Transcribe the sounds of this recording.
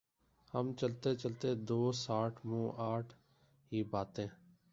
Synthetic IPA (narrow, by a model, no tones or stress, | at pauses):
həmt͡ʃəlt̪eːt͡ʃəlt̪eːd̪oːsaːʈʰmũːʔaːʈʰ | ɦiːbaːt̪ẽː